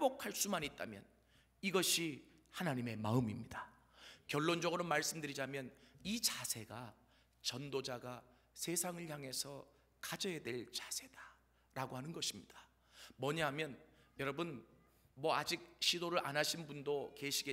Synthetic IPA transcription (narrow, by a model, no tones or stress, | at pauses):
eɭbokʰaɭs͈umaɲit̚t͈a̰mjʌ̰n | iɡʌɕʰi | hanaɲime̞maɯmimɲida | kjʌɭːond͡ʑʌɡɯɾomaɭs͈ɯmdɯɾid͡ʑamjʌnit͡ɕasʰe̞ɡa | t͡ɕʌndod͡ʑaɡa | sʰe̞sʰaŋɯɭçaŋɦe̞sʰʌ | kad͡ʑʌedwe̞ɭt͡ɕḁsʰe̞d̥a | ɾaɡoɦanɯnɡʌɕʰimɲid̥ḁ | mwʌɲaɦamjʌnjʌɾʌbɯn | mwʌad͡ʑik̚ɕʰidoɾɯɾʔa̰nɦaɕʰinbundoke̞ɕʰiɡe